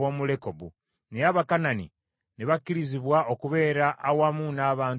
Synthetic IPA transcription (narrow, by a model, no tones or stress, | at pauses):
omuleko̞bu | niaβakananḭ | niβakːiɾiziβwaʔokuβe̞ːɾaʔːwamunaːβaːn